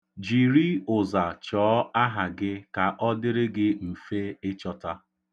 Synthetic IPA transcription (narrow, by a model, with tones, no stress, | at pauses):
d͡ʒi˨ɾi˦ʊ˨za˨t͡ʃɔː˨˦a˦ɦa˨ɡɪ˦ka˨ʔɔ˦dɪ˦ɾɪ˦ɡɪ˦m̩˨fe˦ɪ˦t͡ʃɔ˦ta˦